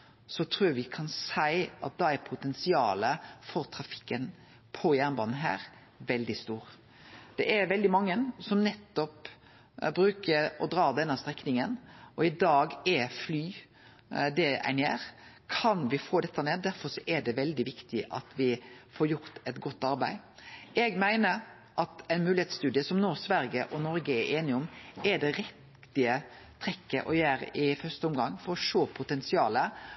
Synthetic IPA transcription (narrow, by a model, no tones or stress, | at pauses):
sɔt̪ʰɾuːʋɪkʰɑnsæɪʔɑ̰t̪̚d̪ɑæɾpʰʊt̪ɛnsɪɑ̰ːləfɔɾt̪ʰɾɑfɪ̥kːən | pʰɔjæʁnbɑːnn̩ɦæ̰ːɾ | ʋɛld̪ɪst̪uːɾ | d̪̥ɛʔæɾʋɛld̪ɪmɑŋːənsɔmnɛt̪ːɔp | bɾʉːkəɾɔd̪ɾɑːd̪ɛnːəst̪ɾɛknɪŋənɔɪd̪ɑːɡɛflyː | d̪ɛæ̰ɪnḛːɾ | kʰɑnʋɪfoːd̪ɛt̪ːəneːd̪æɾfɔɾsɔʔɛɖɛʋɛld̪ɪʋɪkt̪ɪʔɑ̰t̪ʰʋɪfɔːɾjʊɾt̪ɛt̪ɡɔt̪ːɑɾbæ̰ɪ | ɛɡmæɪnəɾ | ʔɑt̪æɪnmʉːlɪheːt̪st̪ʉːd̪ɪəsɔmnoːsʋæɾɡəʔɔnɔɾɡəɛɾʔeːnɪɔmɛɖ̪ɛɾɪt̪ | ɪə | t̪ʰɾɛkːə̰ʔɔjæːɾə̰ʔɪfœst̪əɔmɡɑŋːfɔɾɔʂoːpʰʊt̪ɛnsɪɑːlə